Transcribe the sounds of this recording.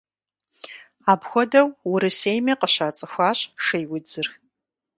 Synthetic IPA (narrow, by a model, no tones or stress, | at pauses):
aːbxʷɔdɐwwʊɾɨseːjmɐqəɕaːt͡sʼɨxʷaːɕʼʂɐjwʊd͡zɨrx